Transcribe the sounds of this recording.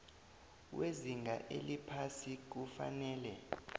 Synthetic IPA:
weziŋɡʱaʔelipʰasik̬ufa̰nɛːlɛ

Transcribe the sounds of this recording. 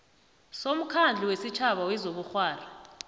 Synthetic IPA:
som̩kʰand͡ɮʱiwesit͡ʃʰaɓawɛzoɓuxwaːra

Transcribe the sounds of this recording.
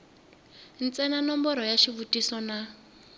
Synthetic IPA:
n̩t͡sɛnanɔmbɔɾɔjaʃiβutʼisɔna

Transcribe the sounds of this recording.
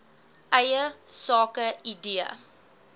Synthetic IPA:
ʔɛjəsɑːkəidiə̰

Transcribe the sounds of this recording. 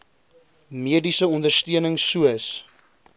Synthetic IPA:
miədisəɔndərstiənəŋsuəs

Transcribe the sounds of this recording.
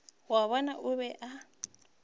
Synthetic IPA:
waβɔnaʔʊβɛʔa

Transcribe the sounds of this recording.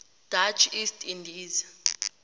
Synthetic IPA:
d̥at͡ʃʰistʰindʱiːza

